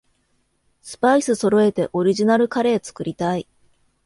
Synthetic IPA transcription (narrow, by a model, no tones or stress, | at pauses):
sɨ̥paisɨso̞ɾo̞e̞t̪e̞̰ʔo̞ɾʲiʑinaɾɯ̟kaɾe̞ːt͡sɨ̥kɯ̟ɾʲit̪ai